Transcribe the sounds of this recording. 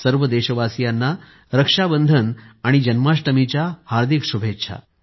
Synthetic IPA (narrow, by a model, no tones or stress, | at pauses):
səɾʋəd̪eɕəʋasijanːa | ɾəkʂabənd̪ʱənaɽ̃id͡ʑənmaʂʈəmit͡ɕjahaɾd̪ʱikʂubʱetːɕʰa̰